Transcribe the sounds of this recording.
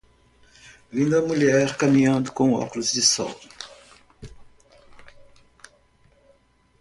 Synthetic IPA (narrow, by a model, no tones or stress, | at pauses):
vĩnd̪ɐmuʎɛɾkamĩɲɐ̃nd̪ʊkõɔ̰kulʊzd͡ʒɪsɔ̰w